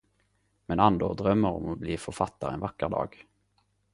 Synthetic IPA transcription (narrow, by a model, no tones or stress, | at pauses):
mɛnand̪od̪ɾœmːəɾɔ̰mɔbliːfœɾfat̪ːaɾɛnvakːəɾd̪ɑ̰ːɡ̥